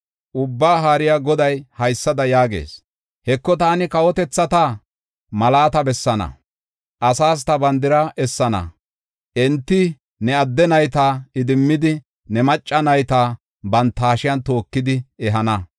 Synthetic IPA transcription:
ʔʊbːaːɦaːɾɪjaɡɔd̪ɐjhɐjsːɐd̪ɐjaːɡḛːs | hɛkːɔt̪aːnɪkɐwɔt̪ɛt͡sːɐt̪aː | mɐlaːt̪ɐbɛsːɐnɐ̰ | ʔɐsaːs̬t̪ɐbɐnd̪ɪɾɐʔɛsːɐnɐ̰ | ʔɛnt̪ːɪ | nɛɐd̪ːɛnɐjt̪aːɪd̪ɪmːɪd̪ɪ | nɛmɐt͡ʃʼːɐnɐjt̪aː | bɐnt̪ːaːʃɪjɐnt̪o̞ːkːɪd̪ɪɛɦɐnɐ

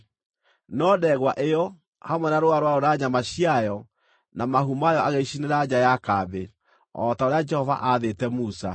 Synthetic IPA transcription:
nɔdɛɣwaʔeɔ | hamwɛnaɾoaɾwaoɾaɲamaɕiajɔ | namaɦumajɔʔaɣeɕineɾad͡ʑajakabe | ɔtaoɾead͡ʒɛhɔva̰ʔaðetɛmusa

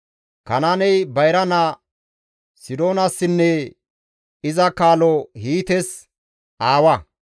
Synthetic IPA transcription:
kɐnaːnɛjbɐjɾɐna | sɪd̪o̞ːnɐsːɪnːɛ | ɪzɐkaːlɔhiːt̪ɛs | ʔaːwɐ

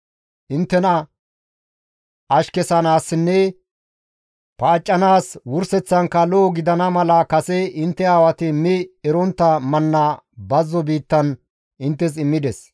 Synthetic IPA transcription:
ʔɪnt̪ːɛnɐ | ʔɐʃkɛsɐnaːsːɪnːɛ | paːt͡ʃʼːɐnaːswʊɾsɛt͡sːɐŋkɐloːɡɪd̪ɐnɐmɐlɐkɐsɛɪnt̪ːɛaːwɐt̪ɪmɪɛɾɔnt̪ːɐmɐnːɐbɐzːɔbiːt̪ːɐn | ʔɪnt̪ːɛs̬ɪmːɪd̪ɛs

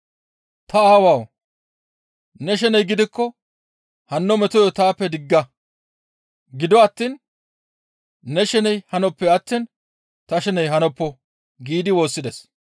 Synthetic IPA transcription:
t̪ɐaːwaːw | nɛʃ̬ɛnɛjɡɪd̪ɪkːɔ | hɐnːɔmɛt̪ɔjɔt̪aːpːɛd̪ɪɡːɐ | ɡɪd̪ɔɐt̪ːiːn | ɛʃɛnɛjhɐnɔpːɛɐt̪ːiːn | t̪ɐʃɛnɛjɦɐnɔpːɔ | ɡiːd̪ɪwo̞ːsːɪd̪es

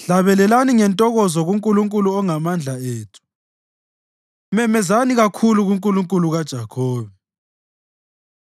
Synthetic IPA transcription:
ɬaβɛlɛlaniŋɛntʼɔɣɔzɔɣuŋkʼuluŋkʼuluɔŋamand͡ɮʱaeːtʰu̥ | mɛmɛzaniɣakʰuluɣuŋkʼuluŋkʼuluɣad̥ʒ̥ʱakʰoːβɛ

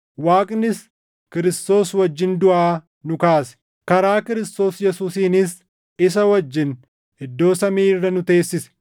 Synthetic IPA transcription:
waːkʼnɪs | kɪɾɪst̪o̞ːswɐd͡ʒːɪnd̪ʊʔaː | nʊkaːsɛ̥ | kɐɾaːkɪɾɪst̪o̞ːsjɛsuːsiːnɪs | ɪs̬ɐwɐd͡ʒːɪn | ɪd̪ːo̞ːsɐmiːrːɐnʊt̪e̞ːsːɪsɛ̥

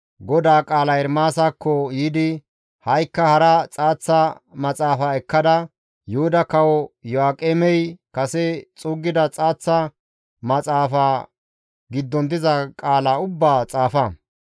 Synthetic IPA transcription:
ɡɔd̪aːkʼaːlɐjɛɾmaːsakːɔjiːd̪ɪ | hɐjkːɐhɐɾɐt͡sʼaːt͡sːɐmɐt͡sʼaːfaːɛkːɐd̪ɐ | jʊhʊd̪ɐkɐwɔjɔaːkʼeːmɛjkɐsɛt͡sʼʊːɡːɪd̪ɐt͡sʼaːt͡sːɐ | mɐt͡sʼaːfaː | ɡɪd̪ːɔnd̪ɪzɐkʼaːlaʊbːaːt͡sʼaːfɐ

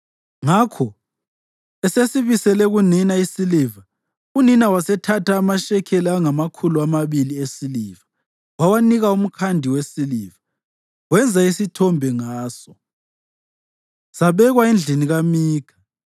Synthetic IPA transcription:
ŋakʰɔ | ɛsesiβisɛlɛɣuninaisiliva | uninawasɛtʰatʰaːmaʃɛkʰɛliaŋamakʰuluamaβiliesiliva | wawaniɣaum̩kʰandʱiwesiliva | wɛnd͡zʱaisitʰɔmbʱɛŋaːsɔ | saβɛɣwaind͡ɮʱiniɣamiːkʰḁ

